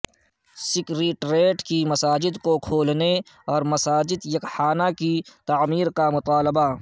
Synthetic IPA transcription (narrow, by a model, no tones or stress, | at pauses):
sɪkɾeːʈɾeːʈkimɐsaːd͡ʒɪd̪kokʰoːlne | ɔːɾmɐsaːd͡ʒɪd̪jɐkhaːnakit̪aːmiːɾkamʊt̪aːlɪba